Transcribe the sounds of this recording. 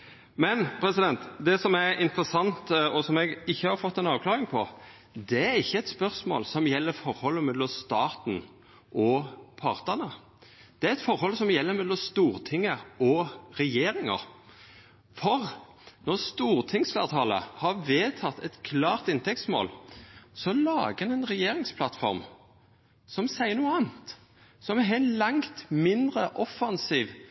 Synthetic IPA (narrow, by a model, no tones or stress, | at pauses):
mɛnpʰɾɛsɪd̪ɛnt̪d̪ɛsɔmæʔɪnt̪ɾəsɑnt̪ɔsɔmɛɡɪçːəhɑɾfɔt̪ːɛnɑːʋklɑːɾɪŋpʰɔ | d̪ɛæɾɪçːəɛt̪spœʁsmo̰ːlsɔmjɛlːəɾfɔɾhɔlːəmɛlːɔmst̪ɑːt̪n̩ | ʔɔpʰɑʁt̪ənə | d̪̥ɛæɾɛt̪fɔɾhɔlsɔmjɛlːəɾmɛlːɔmst̪uːʁt̪ʰɪŋːəɔɾɛjeːɾɪŋə̰ɾ | fɔɾ | nɔʁst̪uːɾt̪ʰɪŋsflæ̰ːʁt̪ʰɑːlə̰hɑɾʋeːt̪ʰɑt̪ʰɛt̪kʰlɑːʁt̪ɪnt̪ɛkt̪smo̰ːlsɔlɑːɡəɛnɛɪnʁɛjeːɾɪŋspʰlɑt̪fɔ̰ɾm | sɔmsæɪəɾnuːəɑːnt̪ | sɔmɛɛnlɑŋt̪mɪnd̪ʁəʔɔfɑnsiːʋ